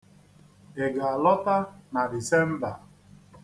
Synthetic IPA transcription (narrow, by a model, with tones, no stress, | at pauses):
e˨ɡa˨a˨lɔ˦ta˦na˨di˨se˦m̩˦ba˨